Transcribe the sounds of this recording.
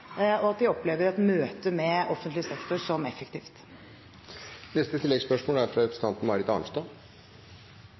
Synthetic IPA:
ɔɑt̪̚d̪ɪɔpːleːʋəɾɛt̪møːt̪əmɛʔɔfənt̪lɪsɛkt̪ʊʂɔmɛfːɛkt̪iːft̪ | nɛst̪ət̪ʰɪlːɛɡspœʂmoːlæɾfɾɑɾɛpɾsət̪ɑnt̪n̩mɑːɾɪt̪ɑ̰ːnst̪oː

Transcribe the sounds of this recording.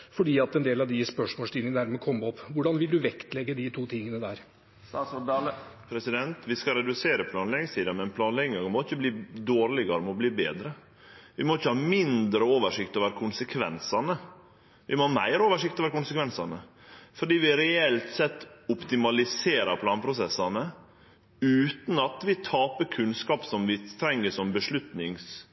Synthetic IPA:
fɔɖiːɑt̪ɛnd̪eːlɑʋd̪ɪspœʂmɔːlst̪iːnənəd̪æɾmɛkʰɔmːəɔpːʋʊɖɑnʋɪld̪ʉʋɛkt̪lɛɡːəd̪ɪt̪ʰuːt̪ʰɪŋːənəd̪æːɾ | pʰɾɛsɪd̪ɛnt̪ʋɪskɑɾɛd̪ʉseːɾəpʰlɑːnlɛɡɪŋsiːd̪ɑmɛɛnpʰlɑːnlɛɡɪŋɡɑɡmɔɪçːəbliːd̪oːɾlɪɡɑɾəmɔbliːbeːd̪ɾə | ʋɪmɔɪçːəhɑːmɪnd̪ɾəoːʋəʂɪkt̪oːʋəɾkʰʊnsəkʰʋɛ̰nsɑnə | ʋɪmoːmæɪɾoːʋəʂɪk̚t̪oːʋəɾkʊnsəkʋɛnsɑnə | fɔɖiːʋɪɾɛɛlt̪sɛt̪ːʊpt̪ɪmɑlɪseːɾɑɾpʰlɑːnpʰɾʊsɛsːɑnə | ʉːt̪n̩ɑt̪ʋɪt̪ʰɑːpəɾkʰʉnskɑːpsɔmʋɪt̪ʰɾɛŋːəʂɔmbəʂɭʉt̪nɪŋs

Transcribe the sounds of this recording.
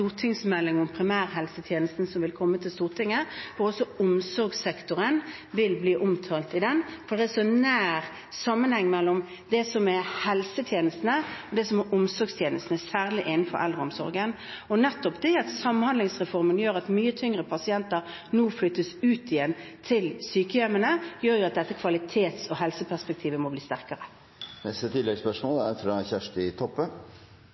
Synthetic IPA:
t̪uːʁt̪ʰɪŋsmɛlːɪŋɔmpʰɾɪmæːʁɦɛlsət̪ʰjeːnəst̪n̩sɔmʋɪlkʰɔmːət̪ʰɪlst̪uːʁt̪ʰɪŋːəfɔɾɔsːɔʊmsɔɾɡsɛkt̪ʊɾən | ʋɪlbliːʔɔmt̪ʰɑːlt̪ɪd̪ɛnfɔɾd̪ɛæʂɔnæːɾ | sɑmːənhɛŋːmɛlːɔm | d̪ɛsɔmɛhɛlsət̪ʰjeːnəst̪nəɔd̪ɛsɔmɛɾʔʊmsɔʁɡst̪ʰjeːnəst̪n̩ɛsæːʁlɪʔɪnnfɔ̰ʔɛ̰ld̪ʁəɔmsɔ̰ɾɡən | ɔnɛt̪ːɔpd̪ɛɑt̪sɑmnhɑnd̪lɪŋsʁɛfɔʁmənjøːɾɑt̪myːət̪ʰʏŋʁəpʰɑsɪɛnt̪əɾ | nuːflʏt̪ːəsʉːt̪ɪjɛnt̪ʰɪlsyːkəjɛmənəjøːɾjʊɑt̪̚d̪ɛt̪ːəkʰʋɑlɪt̪ʰeːt̪sɔɦɛlsəpʰæʁspɛk̚t̪ʰiːʋəmɔbliːst̪æʁkəɾə | nɛst̪ət̪ʰɪlːɛɡspœʂmoːlɛt̪ʰːɑçæʂʈ̪ɪt̪ʰɔpːən

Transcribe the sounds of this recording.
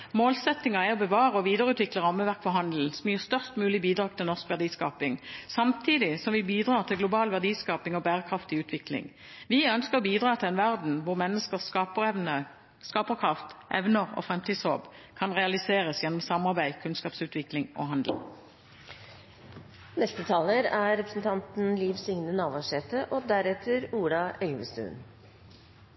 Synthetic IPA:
moːlsɛt̪ːɪŋɑæɔbəʋɑːʁəɔʋiːd̪əʁəʉːt̪ʰʋɪkləʁɑmːəʋæʁkfɔʁhɑnd̪l̩sɔmjyːʁst̪œʁst̪mʉːlɪbiːd̪ʁɑːɡ̚t̪ʰɪlnɔʁskʋæʁd̪iːskɑːpɪŋsɑmt̪ʰiːd̪ɪsɔmʋɪbiːd̪ʁɑːʁt̪ʰɪɡlʊbɑːlʋæʁd̪iːskɑːpɪŋɔbæːʁəkʰʁɑft̪ɪʉːt̪ʰʋɪklɪ̰ŋ | ʋɪœnskəʁbiːd̪ʁɑːt̪ʰɪlɛnʋæʁd̪n̩ʋʊʁmɛnːəskəsɑpɛʋnə | skɑːpəʁkʰʁɑft̪ʔɛ̰ʋnəʁo̰ːfʁɛmt̪ʰiːd̪sho̰ːbkʰɑnʁɛɑlɪseːʁəsjɛnɔmsɑmɑʁbæɪkʰʉnskɑːpsʉːt̪ʰʋɪklɪŋʔo̰ːɦɑnd̪l̩̰ | nɛst̪ət̪ʰɑːləɾæɾɛpɾəsn̩t̪ʰɑnt̪n̩lɪʋsʏŋnənɑːʋɑʂɛːt̪əʔoːd̪æɾɛt̪ʰəɾuːɖɑɛlʋə̰st̪ʉ̰ːn

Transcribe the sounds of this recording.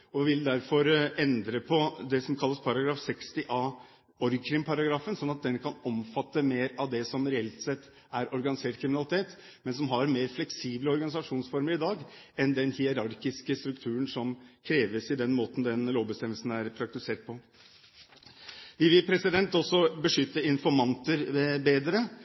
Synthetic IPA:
ɔʋɪld̪æɾfɔɾɛnd̪ɾəpʰɔd̪ɛsɔmkʰɑlːəspʰɑɾɑɡɾɑːfsɛkst̪ɪʔɑː | ɔɾkʰɾɪŋpʰɑɾɑɡɾɑːfənsɔnːɑt̪̚d̪ɛnkʰɑnɔmfɑt̪ːəmeːɾɑʋd̪ɛsɔmɾɛɛlt̪sɛt̪ː | æɾʔɔɾɡɑnɪseːʈkʰɾɪmɪnɑlɪt̪ʰeːt̪ | mɛnsɔmɦɑɾmeːɾflɛksiːbləɔɾɡɑnɪsɑʂuːnsfɔɾməɾɪd̪ɑːɡ | ɛnd̪ɛnhɪɛɾɑɾkɪskəst̪ɾʉkt̪ʰʉːɾənsɔmkʰɾeːʋəsɪd̪ɛnmoːt̪n̩d̪ɛnloːʋbəst̪ɛmːəlsn̩æɾpʰɾɑk̚t̪ɪseːʈ̚pʰɔ | ʋɪʋɪlpʰɾɛsɪd̪ɛnt̪ɔsːɔbəʂʏt̪ːəɪnfɔɾmɑnt̪əɾbeːd̪ɾə

